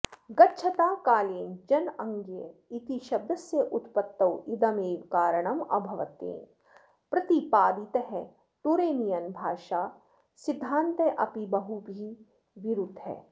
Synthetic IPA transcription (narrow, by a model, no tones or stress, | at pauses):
ɡɐtːʃʰɐt̪aːkaːleːnd͡ʒɐnɐ̃ŋɡjɐit̪iʃɐb̚d̪ɐsjɐʔut̪pɐt̪ːɐwid̪ɐmeːʋkaːɾɐɳ̃ɐmɐ̰bʱɐʋɐ̰t̪ḛːn | pɾɐt̪ipaːd̪it̪ɐɦɛ | ʈ̪uɾeːnijɐnbʱaːʃaː | sɪd̪ʱːãːnt̪ɐʔɐpibɐɦubʱi | ʋiɾud̪ʱɦɛ̰ː